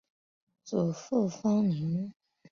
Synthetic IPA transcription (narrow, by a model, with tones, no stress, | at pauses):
t͡su˨˩fu˥˧fɑ˥ŋni˧˥˦ŋ